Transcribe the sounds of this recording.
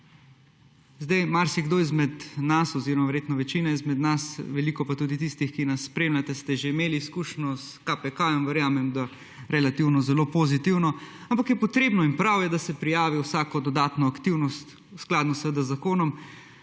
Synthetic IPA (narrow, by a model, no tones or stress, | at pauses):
zd̪ajmaɾsiɡd̪oizmɛd̪nasɔziɾɔmaʋɛɾjeːt̪nɔʋɛt͡ʃinaizmɛd̪nasʋɛlikɔpat̪ud̪it̪ist̪ixkinasːpɾeːmlʲjat̪ɛst̪ɛʒeimeːliːskuːʃnʲɔskapɛkajɔmʋɛɾjaːmɛmd̪a | ɾɛlat̪iwnɔzɛlopozit̪iwnɔampakjɛpɔt̪ɾeːbnɔimpɾawjɛd̪asɛpɾijaːʋiwsaːkɔd̪ɔd̪aːt̪nɔakt̪iwnɔst̪ | usklaːd̪nɔsʋed̪azːakoːnɔm